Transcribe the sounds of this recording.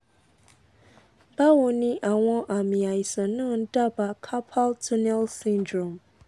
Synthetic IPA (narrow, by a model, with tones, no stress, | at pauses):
ba˦wo˨nĩ˦ʔa˨w̃ɔ̃˦ʔa˨mĩ˨a˨ji˨sã˨nã˦˨n̩˦da˦ba˨kʰa˦pʰa˦ltʰu˦nɛ˦lsĩ˦ndɾɔ̃˨m